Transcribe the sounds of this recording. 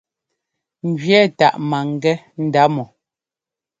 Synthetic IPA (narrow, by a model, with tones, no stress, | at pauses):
ŋ̩˨ɡɥjɛ˦˨ta˨ʔma˨ŋ˨ɡɛ˦ | n̩˨da˦mɔ˨